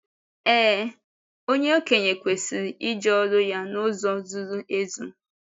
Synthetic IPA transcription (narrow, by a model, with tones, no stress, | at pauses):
ɛː˦ | o˦ɲe˦o˦ke˨ɲe˨kʷe˨si˨ɾi˨ʔi˦d͡ʒɔ˦ɔ˦ɾʊ˦ja˦nʊ˦zɔ˦zu˦ɾu˦e˦zṵ˨˦